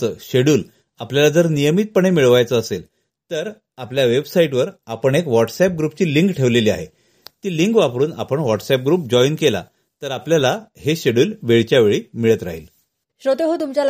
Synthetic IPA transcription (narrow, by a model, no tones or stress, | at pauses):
əɕeɽuːl | apljalad͡zəɾnijəmiːt̪̚pəɳemiɭʋajt͡səːsel | t̪əɾ | apljaʋebsaiʈʋəɾapəɳekʋɔʈsɛp̚ɡɾupt͡ɕiːliŋkʈʰeʋleliːa̰ɦe | t̪iːliŋkʋapɾuːna̰pəɳʋɔʈsɛp̚ɡɾuːp̚d͡ʑɔinkela̰ | t̪əɾapljalaheɕeɽuːlʋeɭt͡ɕjaʋeɭiːmiɭət̪ɾa̰ɦḭːl | ɕɾot̪eɦot̪umt͡ɕja